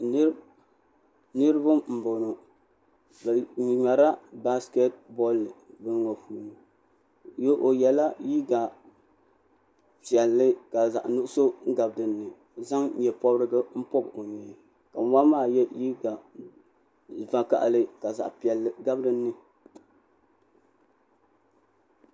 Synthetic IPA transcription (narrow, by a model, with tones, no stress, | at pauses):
nɨ˦ɾɨ˦bʊ˦m̩˨bo˨no˨ | bɲa˨ɾa˦ba˦ske˦t̚bɔ˦lbɨ˦n˦ŋo˨puː˨ni˨ | jo˦ʔo˨jɛ˨la˦ji˦ɡa˨ | pi˨ɛ˨lːɨ˦ka˨za̰˨ʔnʊ˦ʊ˦so˦ŋ̩˦ɡa˨bdɨ˨nːɨ˨ | za˦ŋ˦jɛ˨pɔ˦bɾɨ˦ɡɨ˦m̩˦pɔ˦bo˨ɲɛ˨ | ka˨˦wa˦maː˦˨jɛ˦ji˦ɡa˨ | va˨ka̰˦ʔlɨ˦ka˨za̰˨ʔpi˨ɛ˨lːɡa˦bdɨ˦nːɨ˨